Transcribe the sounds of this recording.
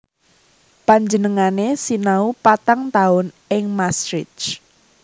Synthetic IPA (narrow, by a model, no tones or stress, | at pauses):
paɲd͡ʒənəŋanesinaupat̪aŋt̪aʊn | ɪŋmastɾɪt͡ʃ